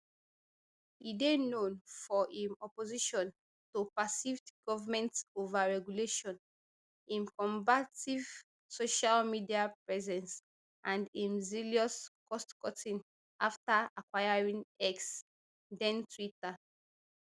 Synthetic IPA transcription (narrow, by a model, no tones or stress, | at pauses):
idenõnfɔʔĩnɔpoziʃɔ̃n | topasifdɡ̥ɔvamɛ̃ntsovaɹɛɡjuleʃɔ̃n | ĩnkɔ̃mbativ̥ | soʃalmidiapɹɛzɛ̃ns | ʔãndĩnziliɔskɔstkɔtĩn | ʔaftaakwajaɹĩnɛks | dɛ̃ntɹita